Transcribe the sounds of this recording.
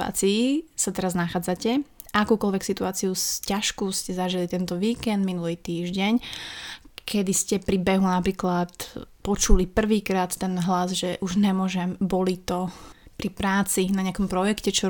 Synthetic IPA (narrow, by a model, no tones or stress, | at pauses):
a̰ːt͡siːsat̪ɛɾaznaxaːd͡zacɛ | ʔakuːkɔlʋɛksit̪uaːt͡siuscaʃkuscɛzaʒilit̪ɛnt̪ɔʋiːkɛnd̪minulit̪iːʒɟɛɲ | kʰɛd̪iscɛpɾibɛɦunapɾiːklat̪pɔt͡ʃulipr̩ʋiːkɾaːt̪ːɛnɦlazʒɛʔuʒɲɛmʊɔʒɛmbɔlit̪ɔpɾipɾaːt͡sinaɲɪakɔmpɾɔjɛkcɛt͡ʃɔ